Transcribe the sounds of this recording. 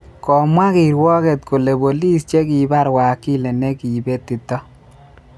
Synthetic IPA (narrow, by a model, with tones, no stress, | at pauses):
kɔ˨mwa˦ki˨ɾwɔ˦kɛ˨t̪̚ko˨le˨bo˨li˦st͡ʃe˦ki˨ba˦ɾwa˨kːi˦le˨ne˦ki˨be˦t̪i˨t̪ːɔ˦